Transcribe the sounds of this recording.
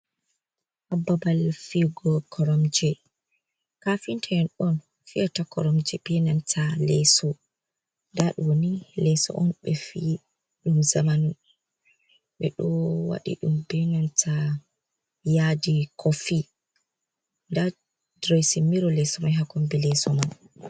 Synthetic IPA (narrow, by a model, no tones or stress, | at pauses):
ʔababalfiɡɔkʰɔɾɔmd͡ʒɛ | kafintʰaɛnɗɔn | fiatakɔ̰ɾɔmd͡ʒɛɓɛnantʰalɛsɔ | ndaɗuwonilɛsɔ̰ʔɔnɓɛfi | ɗumzamanu | ɓɛɗɔwa̰ɗḭɗumbɛnantʰa | jadikʰɔfi | nda | dɾɔjsimiɾɔlɛsɔmajɦakɔmbilɛsɔman